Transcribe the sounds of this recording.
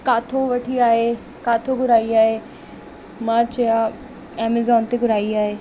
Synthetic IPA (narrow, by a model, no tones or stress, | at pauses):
kaːt̪ʰoʋɐʈʰiaːɦe | kaːt̪ʰoɡʱʊɾaːiaːɦeː | mãːt͡ɕɐja | ɛːmezɔːnt̪eɡʱʊɾaːiaːɦeː